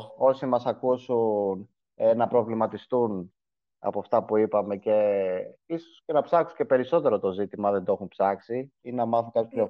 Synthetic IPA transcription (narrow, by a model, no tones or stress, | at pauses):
o̞simɐsɐkusun | enɐpɾo̞vlimɐt̪ist̪un | ɐ̰poɐft̪ɐpuipɐme̞ce̞isosce̞nɐpsɐksuɲce̞pe̞ɾiso̞t̪e̞ɾo̞t̪o̞zit̪imɐðe̞nd̪oo̞xunpsɐksiinenɐmɐθukɐt̪sipço